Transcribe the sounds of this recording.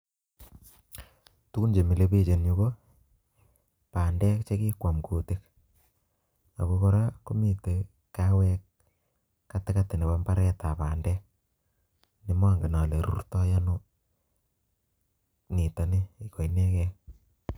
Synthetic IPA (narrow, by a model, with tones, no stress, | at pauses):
tu˦ku˦nd͡ʒe˨mi˨le˦pi˦t͡ʃe˨nɲu˨˦ko˦ | pa˨ndɛ˦kt͡ʃe˦ki˦kwa˨mkʰo˨te˦k | a̰˨ko˦ko˦ɾa˦ko˦mi˨te˨ | kːa˦wɛ˦kː | a˦tɪ˦ka˦ti˨ne˨ba˦mba˦ɾɛ˦ta˨pa˨ndɛ˦k̚ | ni˨mɔ˦ŋɡe˨na˨le˨ɾṵ˦rtɔ˦ja˦no˦ | ni˨ta˨ni˦i˨ko˨ine˦kɛ˦